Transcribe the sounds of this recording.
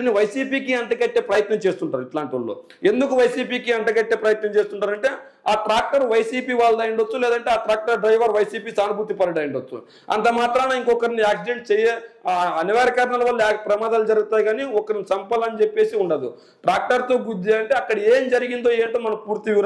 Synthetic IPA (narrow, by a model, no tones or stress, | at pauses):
niʋɐjsiːpiːkiɐɳʈɐkɐʈːeːpɾɐjɐt̪nɐmt͡ʃe̞ːst̪uɳʈaːɾuiʈlaːɳʈiʋuɭːo̰ː | e̞nd̪ukuʋɐjsiːpiːkiɐɳʈɐkɐʈːeːpɾɐjɐt̪nɐmt͡ʃeːst̪uɳʈaːɾɐɳʈe̞ː | aːʈɾaːk̚ʈɐɾʋɐjsiːpiːʋaːɭːɐd̪ɐjɐɳɖot͡ʃːulɛːd̪ɐɳʈeaːʈɾaːk̚ʈɐɾɖɾɐjʋɐɾʋɐjsiːpiːsaːnubʱut̪ːipɐɾɐɖɐjɐɳɖot͡ʃːṵ | ɐ̰nt̪ɐmaːt̪ɾaːnaːiŋkɔkɐɾniaːksid͡ʒeɳʈ̚t͡ʃɛjeɐniʋaːɾɐkaːɾnɐlɐʋɐlːapɾɐmaːd̪aːlud͡ʒɐɾuɡut̪aːjɡaːniɔkːɐɾinisɐmpɐlɐnt͡ʃepːe̞ːsiuɳɖɐd̪u | ʈɾaːk̚ʈɐɾt̪o̞ːɡud̪ːeɐɳʈeːɐkːɐɽɐeːmd͡ʒɐɾiɡind̪o̞ːeːɳʈoːmɐnɐmpuːɾt̪iʋiɾ